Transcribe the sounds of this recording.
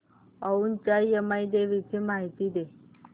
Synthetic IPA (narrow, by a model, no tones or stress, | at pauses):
əunt͡ɕajəmajd̪eʋit͡ɕiːmaɦit̪iːd̪e